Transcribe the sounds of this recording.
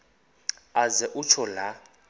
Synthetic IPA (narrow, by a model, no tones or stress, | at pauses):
azɛʔut͡ʃʰɔla